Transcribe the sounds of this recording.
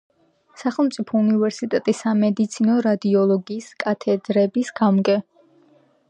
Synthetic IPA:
saχɛlˠmt̪sʼipʰɔunivɛɾsit̪ʼɛt̪ʼisamɛd̪it̪sʰinɔɾad̪iɔlˠɔɡiːskʼat̪ʰɛd̪ɾɛbisɡamkʼɛ

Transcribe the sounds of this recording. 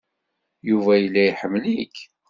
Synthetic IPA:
juvæjəlːæjħəmːlik

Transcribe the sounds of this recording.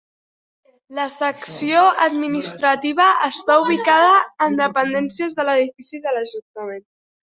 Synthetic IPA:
ləsəksijoəd̪minist̪ɾət̪iβ̞əəst̪auβ̞ikað̞əːnd̪əpənd̪ɛnsiəzðələðifisiðələʒunt̪əmen

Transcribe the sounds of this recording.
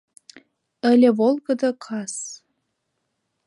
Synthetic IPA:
ə̆lʲĕβolˠɣə̆d̪ɤkʰɑs

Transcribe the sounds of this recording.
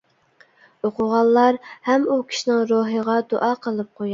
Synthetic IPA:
oqʊʁɑlˠːɑɾhɛmukʲʰi̥ʃinɪŋɾoɦəʁɑd̪oʔɑːqʰəlˠɨp̚qʰoj

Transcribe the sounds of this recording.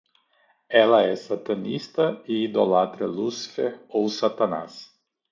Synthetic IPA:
ɛlɐɛsat̪ɐnist̪ɐiid̪olat̪ɾɐlusi̥fehowsat̪ana̰s

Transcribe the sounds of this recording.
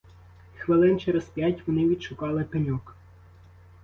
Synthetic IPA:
xʋɪlˠɪnt͡ʃɛɾɛspʲjatʲʋɔnɪʋʲid̪ʃʊkɑlˠɪpɪnʲɔk

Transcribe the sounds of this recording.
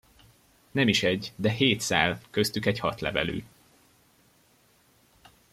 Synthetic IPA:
nɛmiʃɛɟd̪ɛɦeːt̪sa̰ːlkøst̪ykɛɟhɒt̪lɛ̰vɛ̰ly̰ː

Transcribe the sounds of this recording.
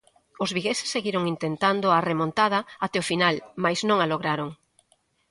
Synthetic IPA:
ʊzβiɣesɪ̥sːeɣiɾoŋint̪ent̪and̪ʊaremõnt̪að̞ɐat̪ɛofinalmajznõŋaloɣɾaɾoŋ

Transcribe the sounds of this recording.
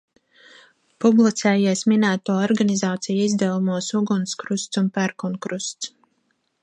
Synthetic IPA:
publˠit̪sɛːjiɛsminæːt̪uɔɔɾɡanizaːt̪sijizd̪ɛlumuɔsuɡunskɾust̪sunpæɾkunkɾust̪s

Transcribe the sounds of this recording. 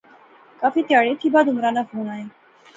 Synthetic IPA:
kaːfiːt̪jaːɽet̪ʰiːbaːd̪ʊmɾanafoːñaːɦeː

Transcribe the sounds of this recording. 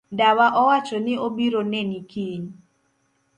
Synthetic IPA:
dawaʔɔwat͡ʃɔnɪobiɾonenikiɲ

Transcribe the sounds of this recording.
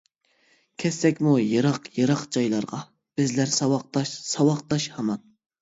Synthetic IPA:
kʲʰɛsːɛkʲmujɨɾɑqjɨɾɑqd͡ʒɑjlˠɑɾʁɑ | b̥ɪzlæɾsɑwɑq̚t̪ɑʃsɑwɑqt̪ɑʃhɑmɑn

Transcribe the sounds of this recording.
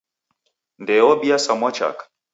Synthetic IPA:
ndɛɔbiasamɔt͡ʃa̰k

